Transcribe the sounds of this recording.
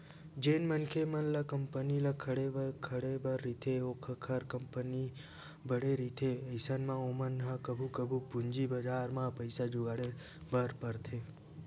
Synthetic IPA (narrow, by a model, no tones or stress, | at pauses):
d͡ʒenmənkʰemənlakəmpənilakʰəɽebəkʰəɽebəɾːit̪ʰeokʰəkʰəɾkəmpəni | bəɽeɾit̪ʰeəjsənmãomənɦakəbʱukəbʱupuɲd͡ʒibəd͡ʒaɾmãpəjsad͡ʒuɡaɽe | bʱəɾpəɾt̪ʰe